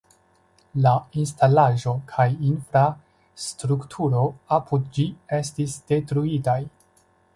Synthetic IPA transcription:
lainstalaʒo̞kʰajinfɾa | stɾuktʰuɾo̞apʰudd͡ʒie̞stisd̥e̞tɾuitaj

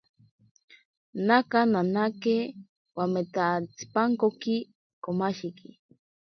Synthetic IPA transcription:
nakananake | wamet̪at͡si̥paŋkoki | komaʃiki

